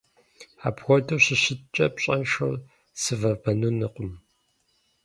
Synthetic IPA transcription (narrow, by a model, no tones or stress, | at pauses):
a̰ːbxʷɔdɐɕɪɕɪtt͡ʃʼɐpɕʼɐnʂɐr | sɨvɐbɐnuːnɨqʷʼʊm